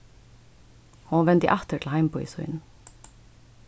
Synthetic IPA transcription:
hunʋɛnt̪ə̰ʔæt̪əʈʰl̩hæɪmpʰɔːḭːsɔ̰ɪ̰n

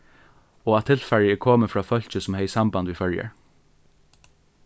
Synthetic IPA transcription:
oːɑt̪ʰɪlfɛɹɪəkʰoːməfɹɑːfœlçəsɔmhœɪsɑmbɑnd̪ʋɪːfœljə̰ɹ

